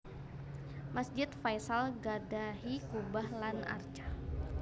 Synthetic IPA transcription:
masd͡ʒɪt̪fajsalɡadaɦikubahlana̰rt͡ʃḁ

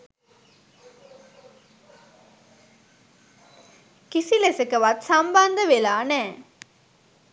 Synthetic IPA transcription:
kisilesəkəʋat̪samband̪əʋelaːnɛː

